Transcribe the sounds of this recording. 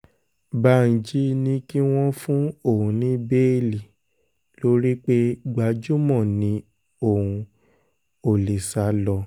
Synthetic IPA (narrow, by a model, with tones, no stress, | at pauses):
ba˨˦n̩˨d͡ʒi˨˦nĩ˧ki˦w̃ɔ̃˦fũ˦o˦˨ũ˨nĩ˨˦be˦˨li˨ | lo˨˦ɾi˦k͡pe˦ɡ͡ba˧d͡ʒu˦mɔ̃˦˨nĩ˨˧˦ | o˨ũ˨˧ | o˨li˨sa˨˧lɔ˧